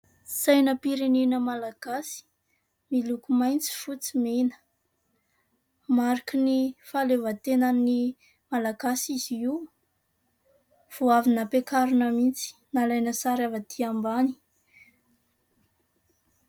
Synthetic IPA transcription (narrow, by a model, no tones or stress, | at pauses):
sajnəpiɾenenəmalaɡ̥asi̥ | milukumajnt͡si̥fut͡simenə̥ | maɾikinifalevat̪enani | malaɡasiziw | v̥oavinəpekaɾunəmint͡si̥nalajnəsaɾavat̪ʰiambani̥